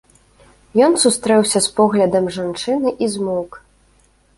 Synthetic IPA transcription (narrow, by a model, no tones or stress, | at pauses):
jɔnsust̪ɾɛwsʲɐspɔɣlʲɐd̪ɐmʐant͡ʂɨnɨʔizmɔk